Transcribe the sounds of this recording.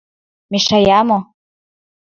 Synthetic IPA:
miʃajamo

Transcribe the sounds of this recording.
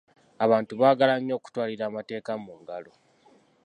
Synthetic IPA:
aβaːntuβaːɡalaɲːo̞ːku̥twaːliɾaːmate̞ːkamuŋɡalo̞

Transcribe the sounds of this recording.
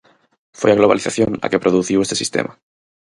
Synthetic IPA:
fwojaɣlo̞βa̰liθaθjona̰kepɾoðuθiwest̪esist̪ḛmʔa

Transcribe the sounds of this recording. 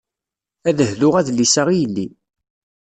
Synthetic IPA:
æðəhðʊʁæðlːisaʁijəlːi

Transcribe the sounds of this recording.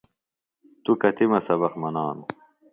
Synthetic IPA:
t̪ukɐt̪imɐsɐβɐχmɐnaːnu

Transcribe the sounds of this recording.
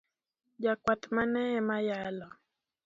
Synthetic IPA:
d͡ʒakwatmanɛɛmajalɔ

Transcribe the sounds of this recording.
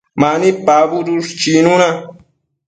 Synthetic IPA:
manipabuɾuʂt͡ʃinuna

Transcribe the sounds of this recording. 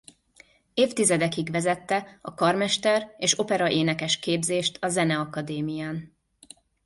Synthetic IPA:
eːft̪izɛd̪ɛkiɡʋɛzɛt̪ːɛɒkɒrmɛʃt̪ɛreːʃo̞pɛɾɒʔeːnɛkɛʃkeːbzeːʃt̪ʰɒzɛnɛɒkɒd̪eːmijaːn

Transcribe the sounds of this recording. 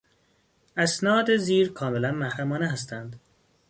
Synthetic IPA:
æsnɒːd̪eziːɾkʰɒːmelænmæhɾæmɒːneɦæst̪ænd̪̥

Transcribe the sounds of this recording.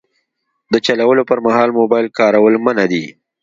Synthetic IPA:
d̪ət͡ʃalawəlopəɾmahɑlmobɑjlkɑɾawəlmənad̪i

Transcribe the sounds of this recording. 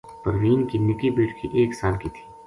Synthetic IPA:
pəɾʋiːnkinɪkibiːʈkʰḭʔeːksaːlkit̪ʰi̥ː

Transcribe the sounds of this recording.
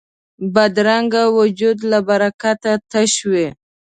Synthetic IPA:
bad̪ɾaŋɡawʊd͡ʒud̪labaɾakat̪at̪aʃwe

